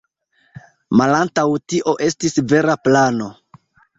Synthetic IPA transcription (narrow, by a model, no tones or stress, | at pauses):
malantawtiʔo̞ʔe̞stisve̞ɾaplano̞